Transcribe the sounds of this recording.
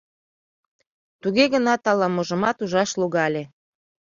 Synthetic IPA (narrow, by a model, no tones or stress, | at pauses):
t̪uɣeɣənɑt̪ɑlɑmoʒəmɑt̪uʒɑʃluɣɑlʲe